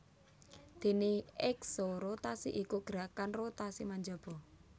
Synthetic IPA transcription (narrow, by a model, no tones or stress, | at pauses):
d̪̥i̤niɛksoɾot̪asḭʔikuɡ̥əɾakanrot̪asimaɲd͡ʒab̥ɔ